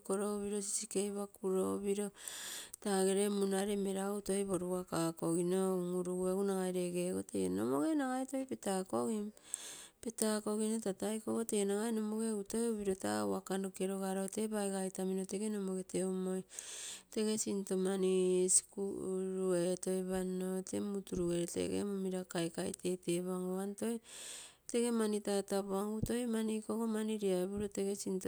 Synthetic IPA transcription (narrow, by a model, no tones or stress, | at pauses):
koɾoβiɾo̞si̥sikejβakuɾoβiɾotaɡe̞ɾe̞munaɾe̞me̞ɾautojβoɾuakakoɡinoŋuɾuɡueɡunaɡajɾe̞ɡeɡotḛno̰moɡe̞naɡajto̞jpetakoɡimpetako̞ɡino̞tatajkoɡotenaɡaeno̞moɡe̞uto̞joβiɾo̞ta̰ṵakandokeɾoɡaɾote̞baeɡajtaminoteɡe̞no̞moɡe̞te̞umojte̞ɡe̞sintomanisi̥kuɾueto̞jβanotemutuɾuɡeɾtḛɡḛmomiɾakajkajteteβaŋoanto̞j | te̞ɡe̞manitatapoaŋɡuto̞jmanikoɡomaniɾiaeβuɾoteɡe̞sint